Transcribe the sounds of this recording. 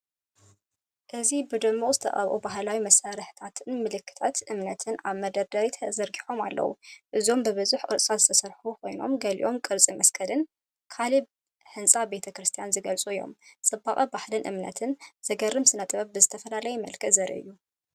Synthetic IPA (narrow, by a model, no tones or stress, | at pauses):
ʔɨzibɨd̪ɨmːoχʼzɨt̪ʰɐ̰χʼɐ̰βʔubaɦlawimɐsaɾɨħt̪ʰat̪ʰɨnmɨlɨkʰːɨ̥t̪ʰat̪ʔɨmnɐt̪ʰɨna̰βmɐd̪ɐd̪ɐɾit̪ʰɐzɐɾɡiħo̞ma̰lːɐ̰wṵʔɨzo̞mbɨβɨzuħkʼɨɾsʼazɨt̪ʰɐsɐɾħukʰo̞jno̞̰mɡɐlḭʔo̞mkʼɨɾt͡sʼimɐskʰɐlɨn | kʰali | ħɨnsʼabe̞t̪ʰɐkɾɨst̪ʰijanzɨɡɐlt͡sʼuɨjːo̞̰msʼɨbːaχʼɐbaħlɨnʔɨ̰mnɐ̰t̪ʰɨnz̥ɐɡɐrːɨmsɨnɐt̪ʼβɐbɨzɨt̪ʰɐfɐlalɐjɛmɐ̰lkʰɐzɐɾʔḭʔɨ̰jːu